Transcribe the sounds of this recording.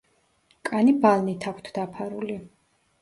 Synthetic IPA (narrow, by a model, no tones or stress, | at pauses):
kʼanibalˠnit̪ʰakʷʰt̪ʰd̪̥apʰaɾuli